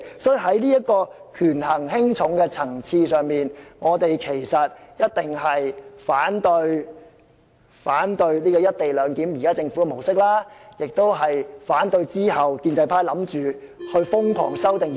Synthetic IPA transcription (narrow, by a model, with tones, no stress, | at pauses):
sɔː˨˥˨ɦɐ˨˥jliː˥ɐ˥t̚kɔː˧kʰyː˨˩nɦɐ˨˩ŋɦɪ˥ŋt͡sʰʊ˨˥ŋkɛ˧t͡sʰɐ˨˩ŋt͡sʰiː˧sœː˨ŋmiː˨nŋɔː˨˧t̪e˨jkʰe˨˩jsɐ˨t̚jɐ˥t̚t̪ɪ˨˩ŋɦɐ˨jfaː˨˥nt̪ɵ˧ɥ | faː˨˥nt̪ɵ˧ɥliː˥kɔː˧jɐ˥t̚t̪e˨jlœː˨˧ŋkiː˨˥mjiː˨˩kaː˥t͡sɪ˧ŋfu˨˥ɛ˨˩mo˨˩wsɪ˥k̚laː˥jɪ˨k̚t̪o˥wɦɐ˨jfaː˨˥nt̪ɵ˧ɥt͡siː˥ɦɐ˨wkiː˧nt͡sɐ˧jpʰaː˧jlɐ˨˥mt͡ʃyː˨hɵ˧ɥfʊ˥ŋkʰɔ̰ː˨˩ŋsɐ˥wt̪ɪ˨ŋ